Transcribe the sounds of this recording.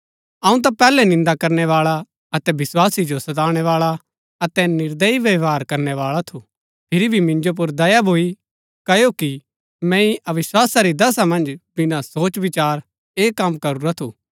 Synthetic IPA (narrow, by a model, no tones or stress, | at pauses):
ɐ̃ũt̪̬apɛːlɛnɪ̃nd̪akɐɾnɛʋaːɭa | ɐt̪ɛbɪswaːsid͡ʒosɐt̪aːɽ̃ɛʋaːɭa | ɐt̪ɛnɪɾd̪əiʋɐʋaːɾkɐɾnɛʋaːɭat̪ʰu | pʰɪɾibʱimɪ̃nd͡ʒop̬ʊɾd̪ɐjabʱoːi | kɐjoki | mɛ̃ĩʔɐʋɪswaːsaɾid̪ɐsamɐ̃nd͡ʒbɪnãsoːt͡ʃʋɪt͡ʃaːɾ | eːkːɐmkɐɾuɾat̪ʰuː